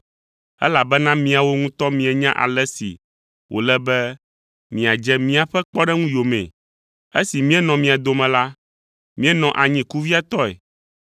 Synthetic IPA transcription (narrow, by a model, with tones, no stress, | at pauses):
ɛ̰˦la˨bɛ˦nã˦mĩ˨˦a˨wo˦ŋũ˦t̪ɔ˦mĩ˨ɛ˨ɲã˦ʔa̰˨lɛ˦sḭ˨ | wʔo̰˨lɛ˦bɛ˦ | mĩ˨a˨d͡ʒɛ˦mĩ˦a˨ɸɛ˦k͡pɔ˦ɖɛ˦ŋũ˦jo˨mɛ̰̃˨ | e˦si˨mĩ˦ɛ˦nɔ̃˨mĩ˨a˨d̪o˨mɛ̃˨la˦ | mĩ˦ɛ˦nɔ̃˨ʔa˨ɲĩ˦ku˦vi˦a˨t̪ɔ˦ɛ̰˨